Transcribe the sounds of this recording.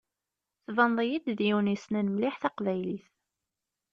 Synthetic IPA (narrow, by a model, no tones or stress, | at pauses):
θvənðˤijid̪ðjuwnisnænəmliħθæqvæjliθ